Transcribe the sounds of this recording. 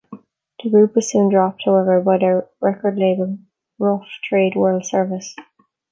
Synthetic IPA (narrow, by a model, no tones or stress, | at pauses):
ðəɡɹʉpwʌz̥sʉ̃ndɹɔp̚t̚haʊɛvə˞baɪðəɹɛkə˞dˡleɪbəlˠ | ɹʊftʰɹ̥eɪdwɜ˞lˠd̥sɜ˞vɪs